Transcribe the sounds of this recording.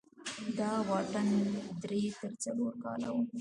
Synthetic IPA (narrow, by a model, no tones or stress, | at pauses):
d̪ɑwɑʈand̪ɾet̪əɾt͡saloɾkɑ̰la̰wu